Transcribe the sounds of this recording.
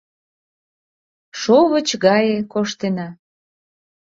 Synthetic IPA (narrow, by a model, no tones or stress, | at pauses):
ʃoβət͡ɕɣɑjekoʃt̪enɑ